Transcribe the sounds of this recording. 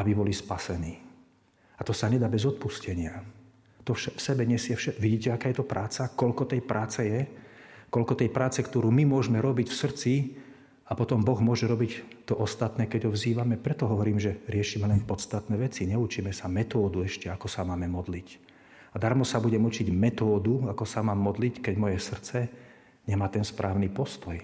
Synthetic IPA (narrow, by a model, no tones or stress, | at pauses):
abibɔlispasɛniː | at̪ɔsaɲɛd̪aːbɛzɔt̪̚puscɛɲɪa | t̪ɔʃafsɛbɛɲɛsɪɛfʃɛʋiɟiːcɛakaːjɛt̪ɔpɾʔaːt͡sakɔʎkɔt̪ɛjpɾʔaːt͡sɛjɛkɔʎkɔt̪ɛjpɾʔaːt͡sɛkt̪ɔɾuːmimʊɔʒmɛɾɔbicfsr̩t͡si | apɔt̪ɔmbɔɣmʊɔʒɛɾɔbict̪ɔʔɔst̪at̪nɛːkɛɟɦɔʋziːʋamɛpɾɛt̪ɔɦɔʋɔɾiːmʒɛɾɪɛʃiːmɛlɛnpɔt̪st̪at̪nɛːʋɛt͡siɲɛut͡ʃiːmɛsamɛt̪ɔːd̪uɛʃcɛakɔsamaːmɛmɔd̪lic | ad̪aɾmɔsabuɟɛmut͡ʃiɟmɛt̪ɔːd̪uakɔsamaːmːɔd̪lickɛɟmɔjɛsr̩t͡sɛ | ɲɛmaːt̪ɛnspɾʔaːʊnipɔst̪ɔj